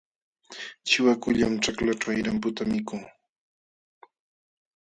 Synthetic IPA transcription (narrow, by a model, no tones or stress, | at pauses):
t͡ʃɪwakʊʎamʈ͡ʂaklaʈ͡ʂajɾampʊt̪amɪkʊŋ